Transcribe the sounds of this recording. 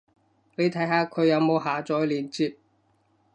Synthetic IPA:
ne˨˧jt̪ʰɐ˨˥jɦaː˧kʰɵ˨˧jɐ˨˧wmo˨˧wɦaː˨t͡sɔː˨˥jliː˨nt͡siː˧p̚

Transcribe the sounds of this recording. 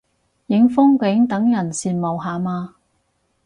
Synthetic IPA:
jɪ˨˥ŋfʊ˥ŋkɪ˨˥ŋt̪ɐ˨˥ŋjɐ˨˩nsiː˨˧nmo˨wɦaː˨maː˧

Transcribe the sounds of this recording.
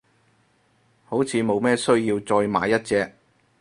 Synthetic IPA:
ho˨˥wt͡sʰiː˨˧mo˨˧wmɛː˥sɵ˥ɥjiː˧wt͡sɔː˧jma̰ː˨˧jːɐ˥t̚t͡sɛː˧k̚

